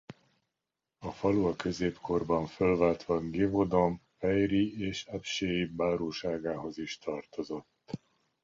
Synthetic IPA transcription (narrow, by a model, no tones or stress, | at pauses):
ɒfɒluɒkø̞zeːpkʰo̞rbɒɱfølvaːlt̪ʋɒɡevod̪oɱfɛjrieːʃɛpʃeːibaːɾoːʃaːɡaːɦo̞ziʃt̪ɒrt̪o̞zo̞t̪ː